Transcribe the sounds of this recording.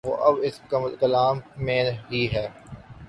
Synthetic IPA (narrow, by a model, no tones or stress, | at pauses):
ʋo̰ːʔɐbɪskɐməlkɐlaːmːẽːɦiɦɛː